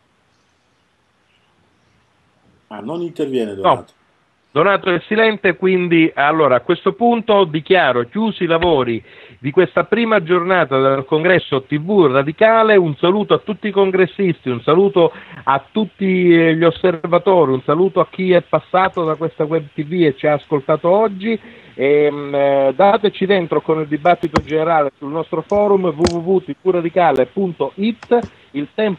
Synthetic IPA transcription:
anonint̪ervjɛːned̪oɔat̪o̥ | d̪onaːt̪oɛsːilɛnt̪ekwind̪ialːoːɾaːkwest̪opunt̪od̪ikjaːɾokjuːsilavɔːɾid̪ikwest̪apɾiːmad͡ʒornaːt̪ad̪elkoŋɡɾɛsːot̪ivurad̪ikaːleunsaluːt̪oat̪ːut̪ːikoŋɡɾesːist̪iunsaluːt̪oat̪ːut̪ːiʎosːervat̪oːɾiunsaluːt̪oak̟ːiɛpːasːaːt̪od̪akwest̪awɛb̚t̪ivuet͡ʃːiaːskolt̪aːt̪oɔd͡ʒːi | e | d̪at̪et͡ʃid̪ent̪ɾokonild̪ibat̪ːit̪od͡ʒeneɾaːlesulnɔst̪ɾofɔːɾumvuvuvut̪ivurad̪ikaːlepunt̪oʔit̪ː | ilt̪ɛmp

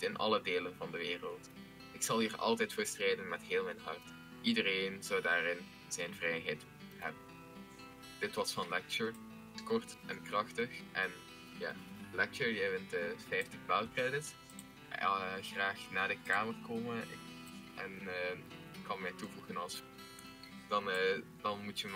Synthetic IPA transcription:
ɪnʔɑ̰lədeːlənvɑndəʋɪːrəlˠt | ɪksɑlˠɦiːrɑ̰lˠtɛjtfoːɹstreːdənmɛtɦɪːlˠmɛjnɦɑrt | ʔidəreːnz̥ɑwdaːrɪn | z̥ɛjnvrɛjɦɛjt | ɦɛbən | d̥ɪtʋɑsfɑnlɛk̚t͡ʃəɹ | tə̥kɔrtʔɛnkrɑxtəxʔɛn | ja̰ːlɛk̚t͡ʃəɹjɛvɪntəfɛjftənbaːlkrɛdɪts | xraːxnaːdəkaːmərkoːmən | ʔɛn | ɪkːɑnmɛjtuvuɣənɑlˠs | d̥ɑndɑnmutə

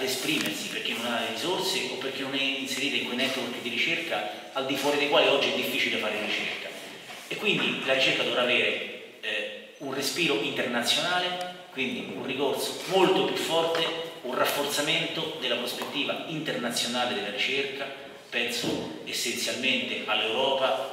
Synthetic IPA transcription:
ad̪espɾiːmersiperk̟enːonaɾizorseopːerk̟enːonɛinseɾiːt̪eiŋkwejnɛt̪ːworkd̪iɾit͡ʃerka | ald̪ifwɔːɾid̪ejkwaːliɔd͡ʒːiɛd̪ːifːiːt͡ʃileafaːɾelɾit͡ʃḛrka | ekːwind̪ilaɾit͡ʃerkad̪ovɾaːveːɾe | unrespiːɾoʔint̪ernat̪sːjonaːlekwind̪iunrikort̪somolt̪opjufːɔrt̪eunrafːort̪sament̪od̪elːapɾospet̪ːiːvaint̪ernat̪sːjonaːled̪elːaɾit͡ʃerka | pɛnso̰ | esːent̪sjalment̪eʔalːewɾɔːpa

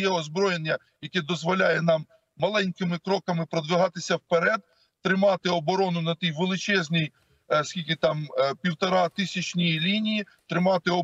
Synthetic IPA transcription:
jɛɔzbɾɔjenʲːɐ | jɐkɛd̪ɔzʋɔlʲajɛnɑmː | ɐlˠɛnʲkɪmɪkɾɔkɐmɪpɾɔd̪ʋɪɦɑt̪ɪsʲɐwpeɾɛd̪ | t̪ɾɪmɑt̪ɪɔbɔɾɔnʊnɐt̪ʲijʋelˠɪt͡ʃɛzʲnʲij | skʲilʲkɪt̪ɑmpʲiwt̪ɔɾɑt̪ɪsʲɐt͡ʃʲnʲijilʲinʲiji | t̪ɾɪmɑt̪ɪɔ

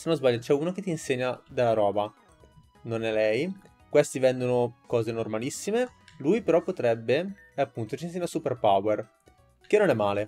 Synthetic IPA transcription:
senozbaʎːat͡ʃɛuːnoket̪ːiːnseɲːad̪elːaɾɔːba | nonɛlɛj | kwest̪ivɛnd̪onokɔːzenormalisːimelujpeɾɔpːot̪ɾɛbːe | apːunt̪ot͡ʃinseɲːasuperpawer | kenːonɛmːaːle

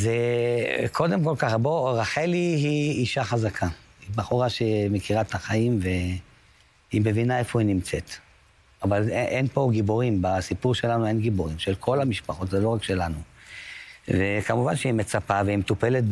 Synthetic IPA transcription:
ze | kʰo̞d̪emko̞lkaχbo̞ʁaħelihiːʃaχazakʰaibaχoʁaʃemekiʁat̪aχaimve̞ | ime̞vinae̞fo̞inimt͡set̪ | avaleʔenpo̞ɡiboʁimbasipuʁʃe̞lanue̞nɡiboʁimʃelkʰo̞lamiʃpaχo̞tzelo̞ʁakʃe̞lanu | vekamuvanʃeimet͡sapaveimtupe̞let̪̚

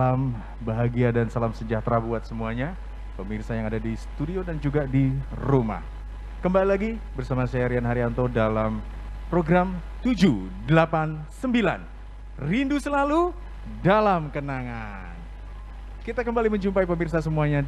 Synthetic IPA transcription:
am | baɦaɡiadansalamsəɲd͡ʒaht̪ɾabuat̪̚səmuaɲa | pəmirsajaŋadadisə̥t̪udiodand͡ʒuɡadi | roma̰h | kəmbalilaɡi | bərsamasajaɾianɦaɾiant̪odalam | pɾoɡɾamt̪ud͡ʒudəlapansəmbilan | rindusəlalu | dalamkənaŋa | n | kit̪akəmbaliməɲd͡ʒumpaipəmirs̬asəmuaɲa

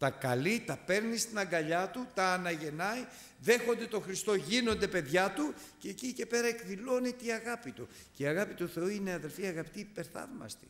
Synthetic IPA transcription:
t̪ɐkɐlit̪ɐpe̞ɾnist̪inɐŋɡɐʎɐt̪ut̪ɐːnɐʝe̞nɐj | ðe̞xo̞nd̪e̞t̪o̞xɾist̪o̞ʝino̞nd̪e̞pe̞ðʝɐt̪u | ceːcice̞pe̞ɾɐekðilo̞net̪iɐɣɐpit̪u | ceiɐɣɐpit̪uθe̞uineɐðe̞lfiɐɣɐpit̪iːpe̞ɾθɐ̰vmɐ̰st̪i̥̰

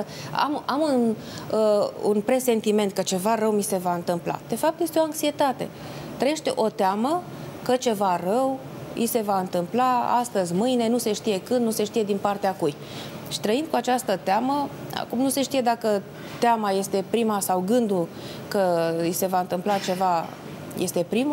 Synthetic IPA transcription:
a̰mamun | əṵnpɾe̞se̞nt̪ime̞nt̪̚kət͡ʃe̞varəwmise̞vaɨnt̪ɨmpla̰d̪̥e̞fap̚t̪je̞st̪eo̞aŋksie̞t̪at̪e̞̰ | t̪ɾəjeʃt̪eʔo̞t̪eamə | kət͡ʃe̞varəw | ḭse̞vaɨnt̪ɨmplaa̰st̪əzʲmɨjne̞nuse̞ʃt̪ije̞kɨnd̪nuse̞ʃt̪ije̞d̪inpart̪eakuj | ʃi̥t̪ɾəind̪̚kuat͡ʃast̪ət̪eaməa̰kumnuse̞ʃt̪ije̞d̪akə | t̪eamaje̞st̪e̞pɾimasawɡɨnd̪u | kəise̞vaɨnt̪ɨmplat͡ʃe̞va | je̞st̪e̞pɾim

